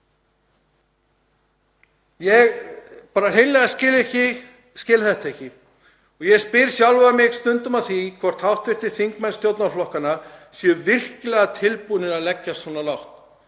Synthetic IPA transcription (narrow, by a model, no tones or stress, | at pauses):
jɛɣpaːɾarejnɛɣascɪlɛhcɪ | scɪːlθɛht̪aɛhcɪ | ɔɣjɛɣspɪɾsjawlvamɪɣst̪ʏnt̪ʏmaðθikʰvɔr̥t̪hawht̪vɪr̥t̪ɪɾ̥θiŋkmɛnst̪jowt̪naɾflɔhkanasjœvɪr̥cɪlɛɣat̪ʰɪlpunɪɾaðlɛcːasvɔːnalawht̪